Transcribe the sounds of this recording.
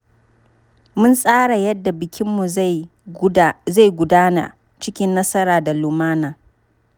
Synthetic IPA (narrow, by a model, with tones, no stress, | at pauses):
mʊ˦nsʼaː˦ɽa˨jɐ˦dːa˨bɪ˨kʲʰɪ˦mːu˨ | za˦˨ɡʷʊ˨daː˦na̰˨ | t͡ʃɪ˦kʲɪ˦nːɐ˦sɐ˦ɾaː˨da˨lʊ˨maː˦naː˨